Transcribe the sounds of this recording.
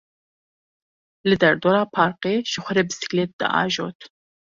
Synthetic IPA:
lɨd̪ɛɾd̪oːɾɑːpʰɑːɾqeːʃɨxʷɐɾɛbɨsi̥klet̪̚d̪ɨ̰ʔɑ̰ːʒo̰ːt̪ʰ

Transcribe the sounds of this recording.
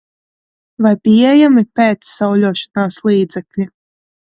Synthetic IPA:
vajpiɛjamipeːt̪sːawlʲuːʃḁnaːslˠiːd̪zɛklʲi

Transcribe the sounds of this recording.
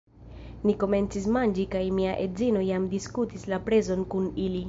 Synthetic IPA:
niko̞me̞nt͡sis̬mand͡ʒikajmiaʔezino̞jamdiskutislapɾe̞zo̞nkunili

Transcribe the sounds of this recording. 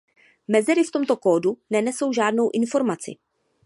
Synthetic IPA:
mɛzɛɾɪft̪o̞mt̪o̞ko̞ːdunɛnɛso̞wʒaːdno̞wʔɪnfo̞ɾmat͡sɪ̰

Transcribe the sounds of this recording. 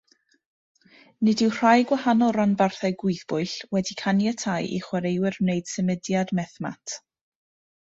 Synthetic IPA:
nɨdɪwr̥ajɡwahanɔlˠɾanbarθajɡʊɨθb̥ʊɨɬwɛdikʰanjɛtʰajʔḭχwaɾejwɪrmnejd̥səmədjadmɛθma̰tʰ

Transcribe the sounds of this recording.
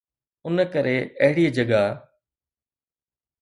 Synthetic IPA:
ʊnkəɾeɐɦɪɽiːd͡ʒɐɡa

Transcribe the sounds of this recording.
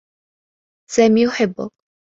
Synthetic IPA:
sæːmijʊħɪbːʊ̰k̚

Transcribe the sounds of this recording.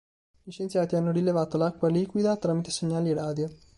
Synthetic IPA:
iʃent̪sjaːt̪ianːoɾilevaːt̪olakːwaliːkwid̪at̪ɾaːmit̪eseɲːaːliɛɾaːd̪jo

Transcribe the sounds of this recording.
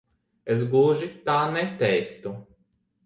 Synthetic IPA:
esɡuʒit̪aːnɛt̪ɛjkt̪u

